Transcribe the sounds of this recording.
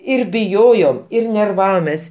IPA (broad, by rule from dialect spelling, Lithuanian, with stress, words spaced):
ɪr bʲɪˈjoːjoːm ɪr nʲɛrˈʋɑːʋoːmʲɛs